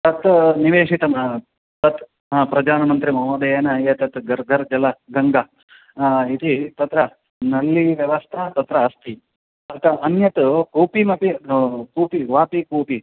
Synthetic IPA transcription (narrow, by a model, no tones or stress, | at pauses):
t̪ɐt̪niʋeːʂit̪ɐm | t̪ɐt̪ | pɾɐd̪aːnɐmɐnt̪ɾimɐɦoːd̪ɐjeːnɐjet̪ɐt̪ɡɐɾɡʱɐɾd͡ʒɐlɐɡɐŋɡɐ | it̪it̪ɐt̪ɾɐ | nɐlːiʋjɐʋɐst̪ʰɐt̪ɐt̪ɾɐːst̪ʰi | ɐt̪ɐʔɐnjɐt̪koːpimɐpikuːpiʋaːpikuːpi